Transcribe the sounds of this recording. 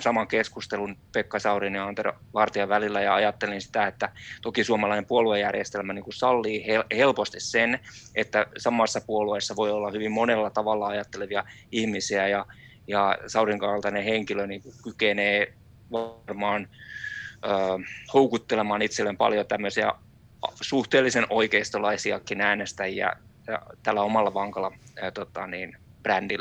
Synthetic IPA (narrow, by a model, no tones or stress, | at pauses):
sɑmɑŋkeskust̪elunpekːɑsɑuriniɑnt̪er̰ʋɑrt̪iɑʋælilːæjɑɑjɑt̪ːelinsi̥t̪æet̪ːæt̪okisuomɑlɑinempuoluejjærjest̪elmæniːŋkusɑlːiːhehelpost̪issenʔet̪ːæsɑmɑsːɑpuoluesːɑʋoiolːɑhyʋimmonelːɑt̪ɑʋɑlːɑɑjɑt̪ːeleʋiɑ | ihmisiæjɑ | jɑsɑuriŋkɑlt̪ɑneheŋkiløniːŋkukykeneː | ʋrmɑːn | øːhoukut̪ːelemɑːnit̪selːempɑ̰ljot̪æmːøsiæ̰ | ɑsuht̪eːlːisenʔoikeist̪olɑisiɑkːinæːnest̪æjjɑ̰jɑ̰t̪ælːæomɑlːɑʋɑŋkɑlːɑt̪ot̪ɑniːn | b̥rændilːæ